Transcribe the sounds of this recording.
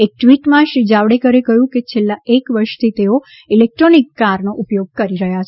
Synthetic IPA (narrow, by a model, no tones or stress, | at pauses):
ek̚ʈʋiʈmãʃɾid͡ʒaʋɽekəɾekəjũket͡ʃʰelːaekʋəɾʃt̪ʰit̪eo | ilek̚ʈɾonikːaɾnoʔupjoɡ̚kəɾiɾəɦjat͡ʃʰ